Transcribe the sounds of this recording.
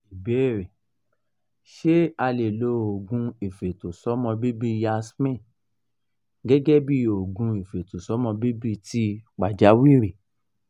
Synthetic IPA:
i˨bɛ˨˦˨ɾe˨ | ʃe˦a˧le˨lo˧˦o˨ɡũ˧e˨fe˨to˨sɔ˨˦mɔ̃˧bi˦bi˦ja˧smɛ̃˦˨ | ɡɛ˦ɡɛ˦bi˦o˨ɡũ˨˧e˨fe˨to˨sɔ˨˦mɔ̃˧bi˦bi˦ti˧˦k͡pa˨d͡ʒa˨˦wi˦˨ɾe˨

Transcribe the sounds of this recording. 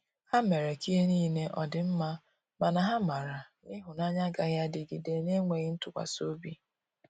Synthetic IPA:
ha˦me˨ɾe˨ki˦ɦe˦niː˦ne˦ʔɔ˨dɪ˨m̩˦ma˦ | ma˨na˨ɦa˦ma˨ɾa˨nɪ˦ɦʊ˨na˦ɲa˦ɡa˦ja˦dɪ˨ɡɪ˨de˨ne˦ŋʷe˨ɣɪ˦n̩˦tʊ˨kʷa̰˨so˦bi˦

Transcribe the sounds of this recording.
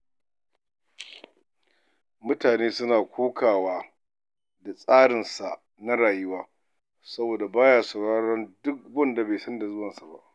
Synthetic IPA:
mʊ˦taː˨neː˦sʊ˦naː˨kʷʰoː˦kʰaː˨waː˦ | da˨sʼaː˦ɽɪ˨nsa˨ʔ | na˦ɽaː˨jɪ˦waː˦ | sɐ˦boː˨da˨baː˦jaː˨sɐ˨ɽaː˦ɽɔ˦ndʊ˦k̚bɔ˦˨nda˨beː˨jsɐ˦nda˨zʊ˦wɐ˨nsa˨ba̰˦ʔ

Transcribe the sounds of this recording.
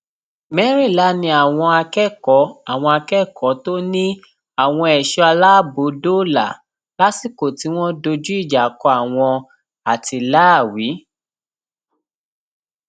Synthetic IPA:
mɛ˦ɾi˦˨la˨˦nĩ˧a˨w̃ɔ̃˧a˧kɛ˦kɔ˨˦a˨w̃ɔ̃˧a˧kɛ˦kʰɔ˨˦to˦nĩ˦ | a˨w̃ɔ̃˧ɛ˨ʃɔ˧a˧la˦˨bo˨˦do˦˨la̰˨ | la˦si˦˨ko˨ti˨˦w̃ɔ̃˦do˧d͡ʒu˦i˦˨d͡ʒa˨˦kɔ˧a˨w̃ɔ̃˧ | a˨ti˧la˦˨wi˨˦

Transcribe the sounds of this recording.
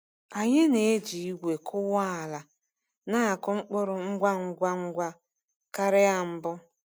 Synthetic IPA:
a˨ɲe˦ne˨e˦d͡ʒi˨i˦ɡʷe˨kʰʊ˦wa˦a˨la˨ | na˦a˨kʊ˦ŋ͡m̩˦k͡pʊ˦ɾʊ˦ŋ͡m̩˦ɡʷa˦ŋ̩˦ɡʷa˦ŋ̩˦ɡʷa˦ | ka˦ɾɪ˦a˨m̩˦bʊ˦

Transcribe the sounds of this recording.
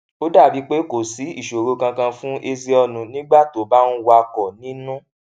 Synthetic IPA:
o˦da˦˨bi˨˦k͡pe˦ko˨si˨˦i˦˨ʃo˨ɾo˧˦kã˧kã˧fũ˦ʔe˧zi˧ɔ˧nũ˧nĩ˦ɡ͡ba˦˨to˨˦ba˦nũ˦wa˧kɔ˨nĩ˦nũ˦

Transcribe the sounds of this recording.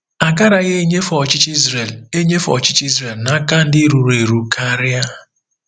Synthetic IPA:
a˨ka˦ɾa˨ɣe˦e˦ɲe˦fɔ˨t͡ʃɪ˦t͡ʃi˦zɾe˨le˦ɲe˦fɔ̰˨t͡ʃɪ˦t͡ʃi˦zre˨lna˦ka˦n̩˦dɪ˦ɾu˨ɾe˨ɾu˨kʰa˦ɾɪ˦a˦

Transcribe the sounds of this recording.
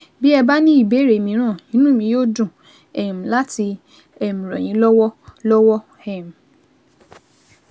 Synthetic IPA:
bi˦ɛ˧ba˦nĩ˦i˦˨be˨˦˨ɾe˨mĩ˧˦ɾ̃ã˦˨nĩ˦nũ˦mĩ˧joː˦˨dũ˦˨ | ɛ˨m̩̃˨la˦ti˧ | ɛ˨m̩̃˨ɾɔ̰̃˨j̃ĩ˨˦lɔ˦wɔ˦lɔ˦wɔ˦ | ɛ˦˨m̩˨

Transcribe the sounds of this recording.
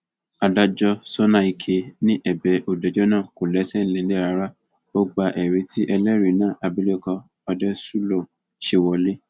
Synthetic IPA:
a˧da˧d͡ʒɔ˦so˦nã˦˨i˧kʰe˧nĩ˦ʔɛ˨bɛ˨ʔo˨dɛ˨d͡ʒɔ˦nã˦˨ko˨lɛ˨˦sɛ˦lɛ̃˧˦le˦ɾa˧˦ɾa˦ | o˦ɡ͡ba˧ʔɛ˨ɾe˧˦ti˦ʔɛ˧lɛ˦ɾi˨nãː˦˨ʔa˧bi˦le˦˨kɔ˧ | ɔ˧dɛ˦su˦lo˦˨ | ʃe˧wɔ˧le˦

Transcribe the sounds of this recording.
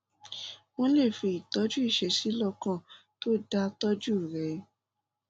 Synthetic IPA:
w̃ɔ̃˦le˦˨fi˧i˨tɔ˨˦d͡ʒu˦i˦˨ʃɛ˨˧si˨˦lɔ˧kã˦˨ | to˦da˧tɔ˦d͡ʒu˦˨ɾɛ˨˦

